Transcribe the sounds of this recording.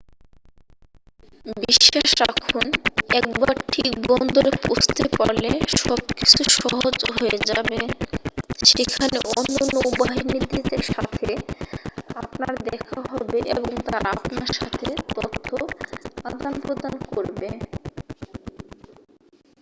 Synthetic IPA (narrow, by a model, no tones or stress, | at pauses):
biʃʃːaʃɾakʰonɛk̚baɾʈʰik̚bɔnd̪oɾepost̪epɔleʃɔb̚ki̥t͡ɕʰuʃɔɦod͡ʑɦoed͡ʑabe | ʃekʰaneʔɔnːonoubaɦinid̪id̪eɾʃat̪ʰe | apnaɾd̪ɛkʰaɦɔbeʔḛboŋt̪aɾapnaɾʃat̪ʰet̪ɔt̪ʰːoad̪anpɾod̪ankoɾbe